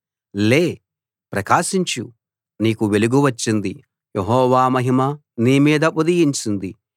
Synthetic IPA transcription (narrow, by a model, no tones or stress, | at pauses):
le̞ː | pɾɐkaːʃiɲt͡ʃu | niːkuʋe̞luɡuʋɐt͡ʃːind̪i | jeɦɔːʋaːmɐɦimɐ | niːmiːd̪ɐpod̪ijiɲt͡ʃind̪i